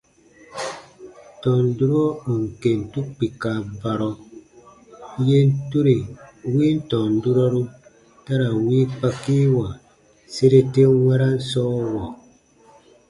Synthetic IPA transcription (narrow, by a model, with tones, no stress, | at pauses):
n˨tɔ˨n̩˦du˦ɾɔ˦u˨ŋ̩˨ke˨n̩˨tu˦k̚pi˨ka˨ba˨ɾɔ˦ | je˦n̩˦tu˦ɾe˨wi˦n̩˦tɔ˨n̩˨˦du˦ɾɔ˦ɾu˦ | ta˦ɾa˨wi˦pa˦ki˦wa˨ | se˦ɾe˦te˦ŋwɛ˦ɾa˦n̩˦sɔ˦wɔ˨